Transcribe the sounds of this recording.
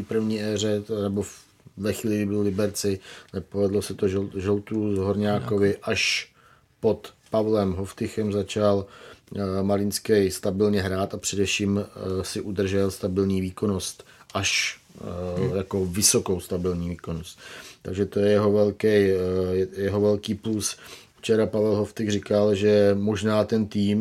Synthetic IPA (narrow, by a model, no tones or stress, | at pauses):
ipr̩vɲiːʔɛːrɛnɛbo | vɛxviːlɪɡɪbɪllɪbɛɾt͡sɪnɛpovɛdlosɛt̪oʒɛʒɛlt̪uzɦoɾɲaːko̞vɪʔaʃ | po̞t̪pavlɛmɦoft̪ɪxɛmzat͡ʃal | malɪnskɛjst̪abɪlɲɛɦɾaːt̪apr̝̥ɛdɛfʃiːmsɪʔud̪r̩ʒɛlst̪abɪlɲiːviːko̞nost̪ʔaʃ | jako̞vɪso̞kowst̪abɪlɲiːviːko̞nost̪t̪aɡʒɛt̪ojɛjɛɦo̞vɛlkɛjjɛjɛɦovɛlkiːplusft͡ʃɛɾapavɛlɦoft̪ɪxrɪkalʒɛmo̞ʒnaːt̪ɛnt̪iːm